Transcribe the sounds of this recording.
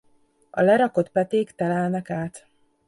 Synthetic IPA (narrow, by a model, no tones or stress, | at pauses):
ɒ̰lɛɾɒko̞t̪pɛt̪eːkt̪ɛlɛlnɛkaːt̪